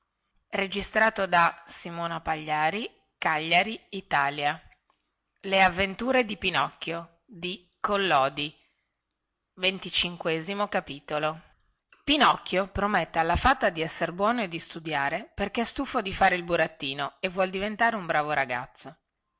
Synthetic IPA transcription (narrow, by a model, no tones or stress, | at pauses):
red͡ʒist̪ɾaːt̪od̪asimoːnapaʎːaːɾi | kaʎːaɾiːt̪aːlja | leavːent̪uːɾed̪ipinɔkːjo | d̪i | kolːɔːd̪i | vent̪it͡ʃiŋkwɛːzimokapiːt̪olo | pinɔkːjopɾomet̪ːealːafat̪ːad̪iɛsːeɾebwɔːnoed̪ːist̪ud̪jaːɾeperkest̪ufod̪ifaːɾeilbuɾat̪ːiːnoevːwɔld̪ivent̪aːɾeumbɾaːvoɾaɡa̰t̪sːo